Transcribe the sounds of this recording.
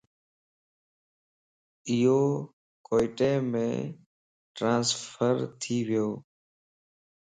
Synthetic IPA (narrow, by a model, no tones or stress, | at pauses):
ɪjoː | koːɪʈeːmḛ̃ː | ʈɾãːnsfʰəɾt̪ʰiːʋɪjoː